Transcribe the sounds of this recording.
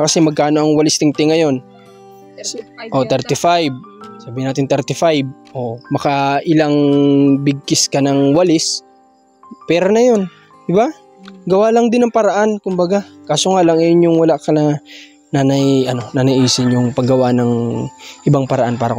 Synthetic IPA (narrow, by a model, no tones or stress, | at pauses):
kɐsɛmɐɡ̚kaːno̞ʔɐŋwɐlɪst̪ɪŋt̪ɪŋɐjo̞n | ʔo̞t̪ɛɾt̪ɪfajb̚saːbɪhɪnaːt̪ɪnt̪ɛɾt̪ɪfajb̚ʔo̞mɐkɐʔɪlaŋbɪɡ̚kɪskɐnɐŋwɐlɪs | pɛːɾonɐjo̞n | d̪ɪba | ɡɐwaːlɐŋd̪ɪnɐŋpɐɾɐʔankʊmbɐɡakaːsoŋalɐŋɐjonjʊŋwɐlaʔkɐnɐ | nanɐjʔɐno̞nanɐʔiːsɪnjʊŋpɐɡːɐwanɐŋʔɪbaŋpɐɾɐʔanpaːɾɐ̰